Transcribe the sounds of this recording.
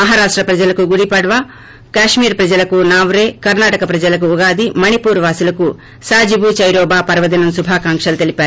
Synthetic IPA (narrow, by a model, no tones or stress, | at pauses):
mɐɦaːɾaːʂʈɾɐpɾɐd͡ʒɐlɐkuɡuɽipɐɽʋaː | kaːʂmiːɾpɾɐd͡ʒɐlɐkunaːʋɾeːkɐɾnaːʈɐkɐpɾɐd͡ʒɐlɐk̬uːɡaːd̪imɐnipuːɾʋaːsulɐku | saːd͡ʒibut͡ʃɐjɾɔːbaːpɐɾʋɐd̪inɐmsubʱaːkaːŋkʂɐlɐt̪elipaːɾuu